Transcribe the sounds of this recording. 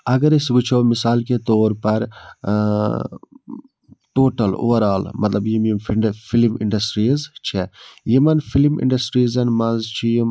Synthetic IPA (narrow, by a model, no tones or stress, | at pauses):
ɐɡɐɾisɡut͡ʃʰoːmisaːlket̪oːɾpɐɾ | ʈoːʈɐlṵːɐɾaːlmɐt̪lɐbjimjimfiɖfilmḭɳɖɐsʈɾizt͡ʃʰejimɐnfilimḭɳɖɐsʈɾiːzɐnmɐnzt͡ʃʰijim